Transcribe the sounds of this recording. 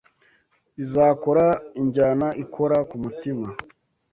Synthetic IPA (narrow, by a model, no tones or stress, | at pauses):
izaːko̞ɾaiɲɟanaʔikʰo̞ɾakumutima